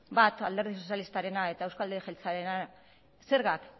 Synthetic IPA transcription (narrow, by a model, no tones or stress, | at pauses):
bat̪ald̪e̞ɾðis̬o̞s̬jalist̪aɾe̞nae̞t̪aewskald̪exelt͡saɾe̞na | se̞ɾɣak